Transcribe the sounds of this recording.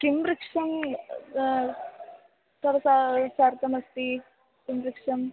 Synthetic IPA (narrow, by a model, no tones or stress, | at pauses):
kɪmɾɪkʂɐm | t̪ɐɾɐsasaːɾt̪ɐmɐst̪i | kɪmɾɪkʂɐm